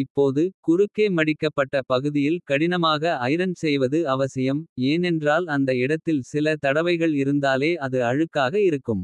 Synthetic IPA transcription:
ɪpːoːðɯkʊɾɯkːeːmɐɽɪkːɐpːɐʈːɐpɐɣɯðɪjɪlkɐɽɪnɐmaːɣɐɐjɾɐnsɛjʋɐðɯɐʋɐsɐjɐmeːnɛndraːlɐnd̪ɐɪɽɐt̪ːɪlsɪlɐt̪ɐɽɐʋɐɪɣɐɭɪɾɯnd̪aːleːɐðɯɐɻɯkːaːɣɐɪɾɯkːɯm

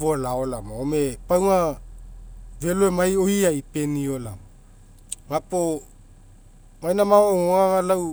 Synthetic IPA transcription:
volaolamaome̞pawŋa | ve̞loemajoiaipe̞nio̞la̰ | mapo | majnamaoooaŋalaw

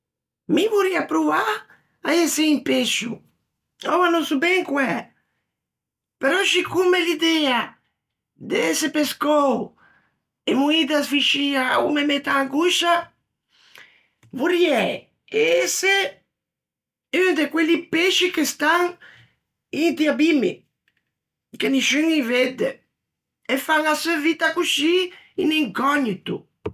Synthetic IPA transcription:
mivuɾiapɾuva | aeseimpeʃu | ɔvanɔsubɛŋkwɛ | peɾɔʃikumelid̪ɛa | d̪eesepeskɔw | emuid̪asfiʃiaumemet̪aːŋɡuʃa | vuɾjɛ | eese | ynd̪ekwelːipeʃikest̪aŋ | ind̪iabimḭ | keniʃyŋived̪e | efaŋasøavit̪akuʃiḭniŋkɔɲːit̪ṵ

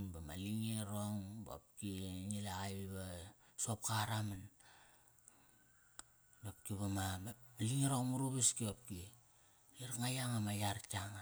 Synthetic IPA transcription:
nbamaliŋiɾoŋbo̰p̚kinilaɣajiβasop̚kaɾaman | dop̚kiβamaaliŋiɾoŋmuɾuβiskiop̚ki | iɾŋajaŋamajaɾtaŋa

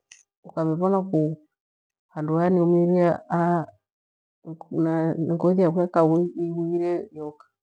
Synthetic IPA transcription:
ukaβiβɔnaku | handuaniumiɾiaa | naŋɡɔðiakwakawiwiiɾɛjɔkḁ

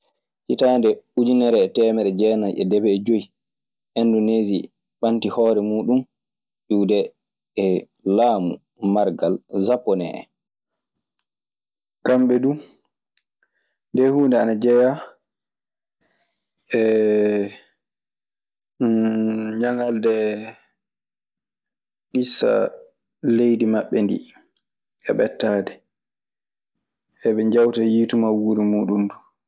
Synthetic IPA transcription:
hitandɛud͡ʒinɛɾɛːtɛːmɛɾɛd͡ʒɛːnajɛ̰dɛbɛːd͡ʒoji | ʔɛndɔnezi | ɓantihɔːɾɛmuːɗum | ʔuːdɛː | laːmṵ | maɾɡalzapːɔnɛ̰ɛ̰ | kamɓɛdu | ndɛhuːndɛanad͡ʒɛja | ʔɛ | ɲaŋaldɛ | ɗisa̰ | lejdimaɓːɛndḭ | ɛɓɛtːaːdɛ | ʔɛɓɛɲd͡ʒawtajitumawuɾimuːɗundu

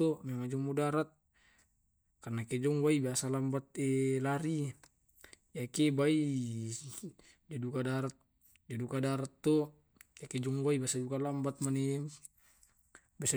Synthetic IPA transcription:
ɔmemad͡ʒɔŋmudaɾat̪̚ | karnakɛd͡ʒɔŋɡwaibiasalambat̪̚elaɾi | jakebai | d͡ʒadukadaɾat̪̚ | d͡ʒadukadaɾat̪ːɔ | jaked͡ʒɔŋɡwaibiasadukalambat̪̚mane | biasa

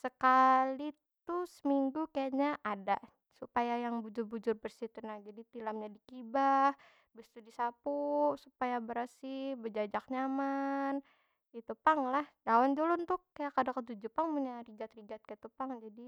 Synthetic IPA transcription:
səkali | t̪usəmiŋɡukajaɲaʔada | supajajaŋbud͡ʒʊrbud͡ʒʊrbərsit̪unad͡ʒadit̪ilamɲadikibah | bəst̪udisapusupajabəɾasihbəd͡ʒad͡ʒak̚ɲaman | it̪upaŋlahdawand͡ʒulunt̪ʊkajakadakət̪ud͡ʒupaŋmuɲariɡat̪rid͡ʒat̪̚kajat̪upaŋd͡ʒadi

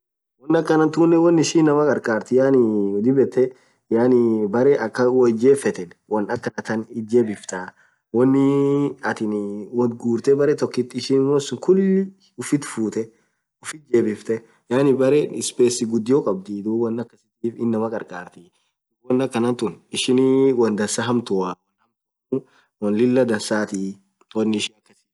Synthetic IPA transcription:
wɐnːɐkːɐnɐnt̪ʊnːɛwɐnːɪʃiːnːɐmɐkʼɐɾkʼaːɾt̪ɪjaːnɪwɔd̪ɪbɛt̪ːɛ | jaːnɪbɐɾɛʔɐkːɐwɐd͡ʒeːfːɛt̪ɛnwɐnɐkːɐnɐt̪ɐnɪd͡ʒeːbɪft̪a | wɐnːɪɐt̪ɪnwɐd̪ɡuːɾt̪ɛbɐɾɛt̪ɔkːɪt̪ːɪːʃinmoːɪsʊŋkʊlːɪ | ʊfɪt̪fuːt̪ɛ | ʊfɪt̪̚d͡ʒeːbɪft̪ɛ | jaːnɪbɐɾɛɪspeːsɪɡʊd̪ːɪjɔkʼɐb̚d̪id̪uːwɐnːɐkːɐsɪt̪iːfɪnːɐmɐkʼɐ̰ɾkʼaːɾt̪ɪ | d̪uwɐnːɐkːɐnɐt̪ʊnɪʃɪnwɐnd̪ɐnsaɦɐmt̪ʊawnɐmtː | wɐnlɪlːɐd̪ɐnsaːt̪ɪ | wɐnːɪɪʃɪnɐkːɐsɪ̥

